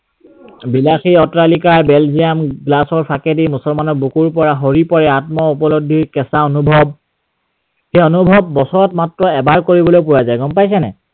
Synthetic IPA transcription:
bilaxiɔtɹalikaɹbɛlzijamɡlasɔɹpʰakedimusɔlmanɔɹbukuɹpɔɹaɦoɹipɔɹɛatmɔupɔlɔdʱiɹkɛsaonubʱɔb̚ | xejonubʱɔbːɔsɔɹɔtmatɹɔɛbaɹkoɹibɔlojp̬uɹazajɡɔmpajs̬ɛnɛ̰

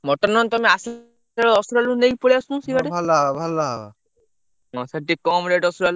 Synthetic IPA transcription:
mɔʈɔnɔnt̪ɔmeas | aɾɔɔsuɾalunejpoɽeasũsibʱaʈebʱalaabʱalːaɦba | ɔ̃saʈikɔmɾeʈɔsuɾal

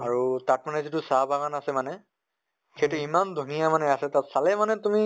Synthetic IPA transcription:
aɹutat̚manɛzitʊsabʱaɡanasɛmanɛ | kʰejtʊimandʱunijamanɛasɛtatsalɛmanɛtumi

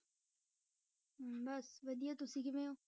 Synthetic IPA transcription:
bɐsʋɐd̪ijat̪ʊsĩkɪmẽoː

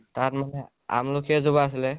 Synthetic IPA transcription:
taɹmanɛ | a̰mlokɛzobaːs̬ilɛ

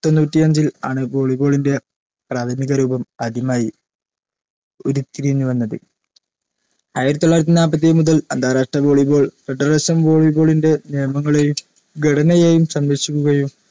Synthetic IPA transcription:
t̪o̞nːuːtːiɐɲd͡ʑilaːɳɨbo̞ːɭibo̞ːɭinde̞ | praːt̪ʰɐmiɣɐɾuːbɐmɐd̪ʱimaːji | o̞ɾut̪ːiɾiɲːuʋɐnːɐðɨ | ajiɾɐt̪ːoɭːaːjɾɐt̪ːinaːbɐt̪̬ːemuðɐlɐnd̪ʱaːɾaːʂʈrɐbo̞ːɭibo̞ːɭfeɖɐrɐsɐmbo̞ːɭibo̞ːɭinde̞nejɐmɐŋːɐɭejum | ɡʱɐɽɐnɐjeːjumsɐmʋeɕikʲːuɣɐjum

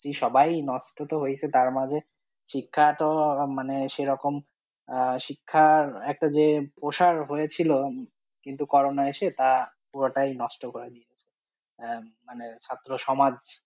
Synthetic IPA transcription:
kiʃɔbajnɔʃʈot̪oɦoet͡ɕʰet̪aɾmad͡ʑʱe | ʃikʰːaʈomaneʃeɾɔkom | ʃikʰːaɛk̚ʈad͡ʑepɾoʃaɾɦojet͡ɕʰilo | kint̪ukɔɾonaeʃet̪apuɾoʈajnɔʃʈokoɾed̪ieet͡ɕʰe | manet͡ɕʰat̪ːɾoʃɔmad͡ʑ

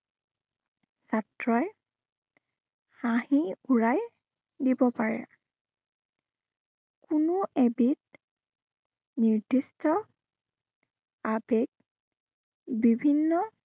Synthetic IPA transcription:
satɹɔj | hãhiuɹaj | dibɔpaɹɛ̰ | kunʊebit̚ | niɹdistɔ | abɛɡ̚ | bibʱinːɔ

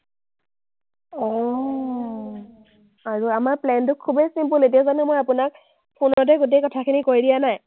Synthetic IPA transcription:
ɔ | aɹuamaɹplɛntʊkʰːubejsimpuletijazɔnɛmojapʊnak̚ | pʰunɔt̬ɛɡut̬ejkɔtʰakʰinikoɹidijanaj

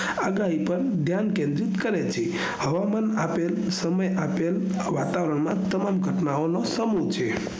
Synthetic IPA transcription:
aɡaipənd̪ʱjankẽnd̪ɾit̪kəɾɛt͡ɕʰi | həʋamanapel | səməjapel | ʋat̪aʋɾəɳmat̪əmamɡʱəʈnaonɔsəmut͡ʃʰe

